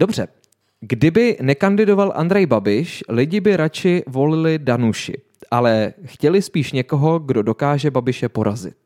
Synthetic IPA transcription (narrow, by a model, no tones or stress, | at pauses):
do̞br̝̥ɛ | ɡdɪbɪnɛkandɪdo̞valʔa̰ndɾɛjbabɪʃlɪɟɪbɪɾat͡ʃɪvo̞lɪlɪdanuʃɪ̰ | ʔalɛxcɛlɪspiːʃɲɛko̞ɦo̞ɡdo̞do̞kaːʒɛbabɪʃɛpo̞ɾazɪ̰t̪̚